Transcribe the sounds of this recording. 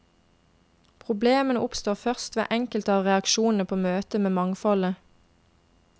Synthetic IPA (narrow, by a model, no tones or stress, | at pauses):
pʰʁʊbleːmənəʔʊpst̪oːʁfœʁst̪ʋḛːʔɛŋkəlt̪əɑːʋʁɛɑkʃuːnn̩əpʰoːmøːt̪əmeːmɑŋfɔlə